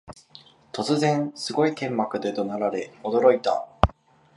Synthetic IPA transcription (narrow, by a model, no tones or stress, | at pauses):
t̪o̞t͡sɨzẽ̞ñsɨɡo̞ik̪ẽ̞mːakɯ̟d̪e̞d̪o̞naɾaɾe̞o̞d̪o̞ɾo̞it̪a̰